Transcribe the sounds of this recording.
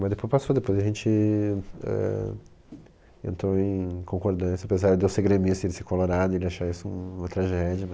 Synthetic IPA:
mɐzd̪epojspasod̪epojzɐʒẽnt͡ʃɪ | ɛ̰ | ḛ̃nt̪ɾoẽj̃kʰõŋkoɾd̪ɐ̃sɪapezaɾd̪eʊseɡɾemisʊelɪsekoloɾad̪ʊɪelɪaʃaisʊũũmɐ̃t̪ɾaʒɛd͡ʒɪmɐ

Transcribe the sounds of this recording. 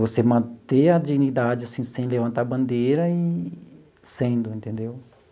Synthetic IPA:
vosemɐ̃t̪eɐd͡ʒiɡnid̪ad͡ʒɪasĩsẽj̃levɐ̃nt̪aɾbɐ̃nd̪eɾɐi | sẽd̪ʊẽnt̪ẽnd̪ew

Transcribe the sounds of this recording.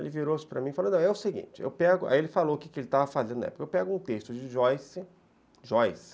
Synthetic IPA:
ḛlɪviɾosɪ̥pɾɐmĩfal̃d̪ɐ̃ɛʊseɡḭ̃t͡ʃɪḛwpɛɡʊʔa̰ielɪfaloʊkikɪelɪt̪avɐfazẽd̪ʊnɐɛpʊ̥kɐewpɛɡʊũt̪est̪ʊd͡ʒɪʒɔjsɪ | ʒɔjs

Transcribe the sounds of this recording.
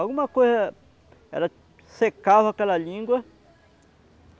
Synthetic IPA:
awɡũmɐkojzɐ | ɛ̰lɐ | sekavɐakɛlɐlĩɡwɐ

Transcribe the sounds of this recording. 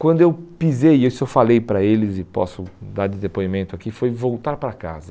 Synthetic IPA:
kwɐ̃nd̪ʊewpizejewsewfalejpɾɐelɪzɪpɔ̰sʊd̪aɾd̪ɪd̪epoimẽnt̪ʊakifojvowt̪aɾpɾaka̰zɐ

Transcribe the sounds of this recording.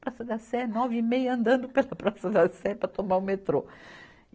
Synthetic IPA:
pɾasɐd̪ɐsɛnɔvɪimejɐɐ̃nd̪ɐ̃nd̪ʊpelɐpɾasɐd̪ɐsɛpɾɐt̪omaɾʊ̃met̪ɾo

